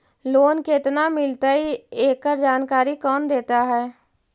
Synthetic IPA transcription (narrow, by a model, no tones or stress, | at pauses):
loːnket̪namɪlt̪aieːkːəɾd͡ʒaːnkaːɾikɔːnd̪eːt̪aɦɛː